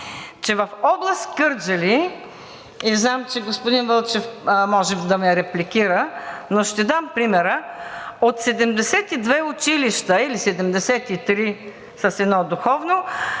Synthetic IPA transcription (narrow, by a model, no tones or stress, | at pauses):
t͡ʃɛvɐfɔblˠɐst̪kɤɾd͡ʒɐli | iznamt͡ʃɛɡospod̪invəlˠt͡ʃɛfmɔʒɛmd̪ɐmɛɾɛplikiɾənoʃt̪ɛd̪ampɾimɛɾəot̪sɛd̪ɛmd̪ɛsɛt̪id̪vɛʊt͡ʃiliʃt̪əilisɛd̪ɛmd̪ɛsɛt̪it̪ɾi | səsɛd̪nɔd̪uxɔvno